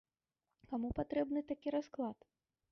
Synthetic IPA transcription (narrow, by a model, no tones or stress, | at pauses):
kamupat̪ɾɛbnɨt̪akʲiɾasklˠat̪